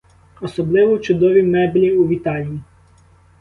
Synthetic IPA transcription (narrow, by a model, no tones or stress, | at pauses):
ɔsɔblˠɪʋɔt͡ʃʊd̪ɔʋʲimɛblʲiuʋʲit̪ɑlʲiji